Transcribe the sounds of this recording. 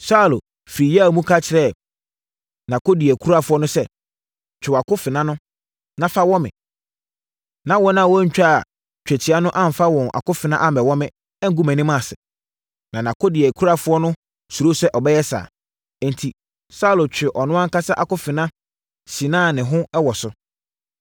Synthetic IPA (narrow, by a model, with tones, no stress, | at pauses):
sa˦˨lo˨ | fɾi˨jmũ˦kʰa˦t͡ɕʰɪ˨ɾɛ˦˨ | nã˨ko˦dɪ˨ɛ˨kʰu˦ɾa˦fʊ˦ɔ˦nʊ̃˦sɛ˦ | t͡ɕʰᶣɪ˨wa˨kʊ˦fɪ˨nã˦nʊ̃˦ | nã˦fa˦wɔ̃˦mɪ̃˨ | nã˨wɔ˦nã˦˨wɔ˦ɲ̩˦t͡ɕᶣa˦a̰˨ | t͡ɕᶣæ˨tʰɪ˨a˦nʊ̃˦ʔã˦m˨fa˦wɔ̃˨na̰˨kʊ˦fɪ˨nã˦ʔa˦m˨ɛ˨wɔ̃˦mɪ̃˦ | ɛ˦ŋ̩˦ɡu˦mæ̃˨nĩ˦mã˦˨sɪ̰˨ | nã˨nã˨kʰo˦dɪ˨ɛ˨kʰu˦ɾa˦˨fʊ˦ɔ˦nʊ̃˦ | su˨ɾo˦sɛ˦ʔɔ˨bɛ˦jɛ˦sa̰ː˨ | n˨tʰi˨ | sa˦˨lo˨t͡ɕᶣɪ˨ʔɔ˨nʊ̃˦ã˦ŋ̩˦ka˦sa˦ʔa˨kʊ˦fɪ˨nã˦ | sĩ˨nãː˦˨nɪ̃˨ɦʊ̃˦ɛ˦wɔ˨sʊ˨˦